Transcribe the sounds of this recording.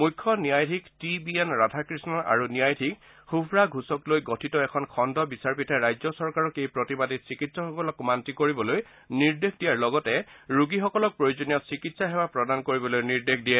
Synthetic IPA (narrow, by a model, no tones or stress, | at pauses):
mujkʰːɔniajtʰiktibiɛnɹatakɹisnɔʔa̰ɹuniajdʰʱik | xubʱɹaɡʱusɔklojɡɔtʰitɔɛkʰɔnkʰɔndɔbisaɹpitʰɛɹajzɔsɔɹkaɹɔkejpɹotibaditsikitsɔxɔkɔlɔkmantikoɹibɔloj | niɹdexdijaɹlɔɡɔtɛɹuɡixɔkɔlɔk̚pɹojozonijɔsikitsaɦɛbapɹɔdankoɹibɔlojniɹdekʰdiɛ